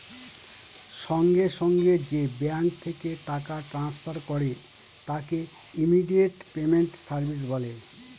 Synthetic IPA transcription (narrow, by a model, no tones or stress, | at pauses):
ʃɔŋɡeʃɔŋɡed͡ʑebaŋk̚t̪ʰekeʈakaʈɾanspʰaɾkɔɾe | t̪ake | imiɖieʈpemeɳʈsaɾbʱis̬bɔle